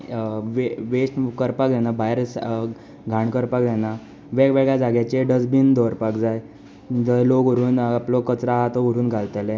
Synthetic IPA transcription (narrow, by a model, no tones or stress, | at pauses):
ʋeʋesʈkəɾpakd͡z̪anabʱaeɾs | ɡʱaɳkəɾpakd͡zana | ʋeɡʋeɡɭjad͡zaɡjat͡ɕeɖəd͡zbiːnd̪ɔɾpakd͡zaj | d͡zəloɡoɾuːnaplokət͡sɾaɦat̪oəɾuːnɡʱalt̪əle